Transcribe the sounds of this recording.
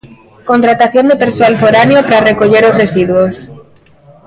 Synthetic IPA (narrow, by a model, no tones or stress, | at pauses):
kont̪ɾat̪aθjo̞nd̪epe̞ɾsoalfoɾaneopaɾarekoʎeɾozresiðwos